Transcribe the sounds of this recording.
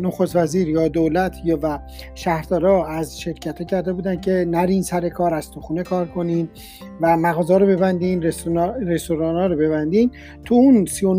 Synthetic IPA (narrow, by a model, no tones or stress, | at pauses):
noxost̪væziːɾjɒːd̪olæt̪ʰjvæ | ʃæhɾd̪ɒːɾɒːæzʃe̞ɾcʰæt̪ʰːɒːcʰæɾd̪e̞buːd̪æncʰe̞næɾiːnsæɾe̞kʰɒːɾæzt̪ʰuxuːnekʰɒːɾkʰo̞nin | væmæɣɒːzɒːɾobe̞bænd̪inɾeɾest̪oɾɒːnɒːɾɔbe̞βænd̪iːn | t̪ʰuunsijo